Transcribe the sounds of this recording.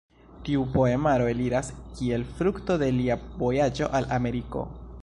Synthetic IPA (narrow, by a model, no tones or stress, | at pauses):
tiupo̞e̞maɾo̞e̞liɾaskie̞lfɾukto̞de̞liavo̞jad͡ʒo̞̰ʔalame̞ɾiko̞̰